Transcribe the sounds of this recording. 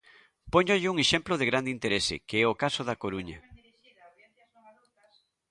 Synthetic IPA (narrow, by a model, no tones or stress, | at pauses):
pɔɲoʎɪuŋeʃemploðeɣɾand̪eint̪eɾesɪ̰keɛokasoðakoɾuɲɐ